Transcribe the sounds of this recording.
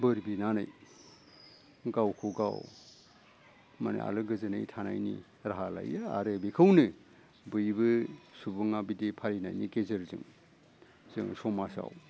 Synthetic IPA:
bɯɾbinanɯ̰j | ɡawkʰuɡa̰w | manɯ̰a̰lɯɡɯzɯna̰jtʰana̰jnḭ | ɾaɦala̰jaa̰ɾɯbikʰɯwnɯ | bɯjbɯsubɯŋabidepʰalinajnikezɯɾzɯ̰ŋ | zɯŋsɔmasa̰w

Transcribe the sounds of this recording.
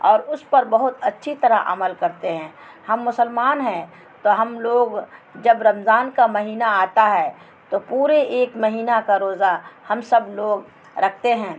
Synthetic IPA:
ɔːɾʊspɐɾbɐɦʊt̪ɐtːʃʰit̪ɐɾaʔɐ̰məlkɐɾt̪eɦɛ̃ː | hɐmːʊsəlmaːnɦɛ̃ | t̪oɦɐmloːɡd͡ʒɐbɾɐmzaːnkamɐɦiːnaaːt̪aɦɛː | t̪opuːɾeeːkmɐɦiːnakaɾoːzahɐmsɐbloːɡ | ɾɐk̚ʰt̪eɦɛ̃ː

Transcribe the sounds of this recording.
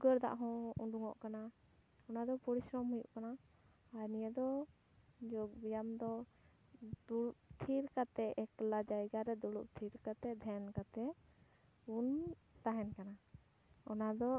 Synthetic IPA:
ɡəɾd̪a̰ʔɦɔ̃uɖuŋɔ̰ʔkana | ɔnad̪ɔpɔɾisɾɔmhujṵʔkanaː | jnijad̪ɔ | d͡ʒɔɡ̚bijamd̪ɔ | d̪uuʔt̪ʰiɾkat̪ɛɛklad͡ʒajɡaɾɛd̪uɽṵʔ̚t̪ʰiɾkat̪ɛd̪ʱɛnkat̪ɛ | un | t̪aɦɛnkana | ɔnad̪ɔ

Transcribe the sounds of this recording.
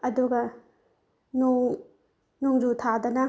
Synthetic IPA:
ɐduɡɐ | nuŋ | nuŋd͡ʒutʰadɐnɐ

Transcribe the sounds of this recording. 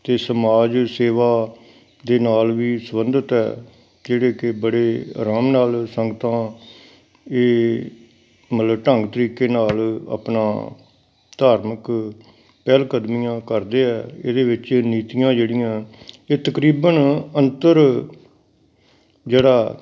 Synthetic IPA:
t̪eːsəmaːd͡ʒseːʋaː | d̪eːnaːlʋiːsəbənd̪ət̪ɦɛ̰ː | d͡ʒeːɽeːkɪbəɽeːɾaːmnaːlsəŋɡət̪ãː | eː | mət̪ləbʈəŋɡt̪əɾiːkːeːnaːlə̰pnã̰ː | d̪̥aːɾmək | pɛːlkəd̪mijãːkəɾd̪eːɛːḛːd̪eːʋɪt͡ʃeːniːt̪ijãːd͡ʒeːɽɪjãːeːt̪əkɾiːbənənt̪əɾ | d͡ʒeːɽaː

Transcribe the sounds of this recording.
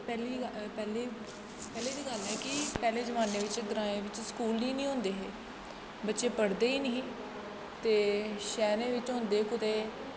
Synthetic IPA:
pɛːliːpɛːleː | pɛːleːd̪iːɡəlɛːkɪpɛːleːzəʋaːneːʋɪt͡ʃɡəɾaːẽːʋɪt͡ʃskuːlnĩːnĩːɦʊ̃ːnd̪eːɦeː | bətːʃeːpəɽd̪eːiːnəĩː | t̪eːʃɛːɾẽːʋɪt͡ʃɦʊ̃nd̪eːkʊt̪eː

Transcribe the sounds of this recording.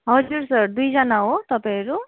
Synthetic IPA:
ɦʌzuɹsʌɹdujzanaot̪apajaɹu

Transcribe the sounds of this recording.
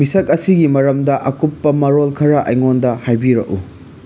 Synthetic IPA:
misɐk̚ɐsiɡimɐɾɐmdɐʔɐkupːɐmɐɾolkʰɐɾɐʔɐ̰jŋondɐhajbiɾɐ̰ʔu

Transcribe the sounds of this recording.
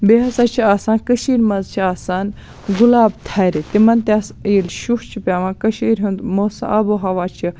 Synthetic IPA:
beɦɐsat͡ʃʰiaːsãːnkəʃiːɾʲmɐzt͡ʃʰiaːsaːn | ɡulaːb̚t̪ʰaːɾit̪imɐnt̪ʲasiilʃuxt͡ʃʰipʲaːʋãːkɐʃiːɾʲɦũnd̪moːsa̰ʔɐboɦɐʋaːt͡ʃʰi

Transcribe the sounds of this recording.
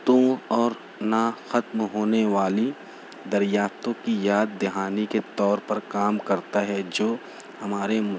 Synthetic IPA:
t̪õɔːɾ | naxɐt̪mɦoːneʋaːli | d̪ɐɾjaːft̪õkijaːd̪̚ːɪɦaːniket̪ɔːɾpɐɾkaːmkɐɾt̪aɦɛd͡ʒoː | hɐmaːɾem

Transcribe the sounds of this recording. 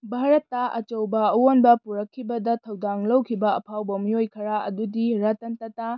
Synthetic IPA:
bʱaɾɐtːɐʔɐ̰t͡ʃɐwbɐɐwonbɐpuɾɐkʰːibɐdɐtʰɐwdaŋlɐwkʰibɐɐpʰawbɐmijojkʰɐɾaɐdudiɾɐtɐntɐta

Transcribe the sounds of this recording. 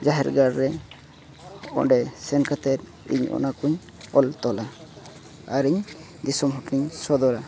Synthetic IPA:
d͡ʒaɦɛɾɡaɾːɛ | ɔ̰ɖɛsɛnkat̪ɛɾ̚ | ḭɲɔ̰nakuɲ | ɔlt̪ɔlaː | ɾiɲ | d̪isɔmɦɔʈniɲsɔd̪ɔɾa

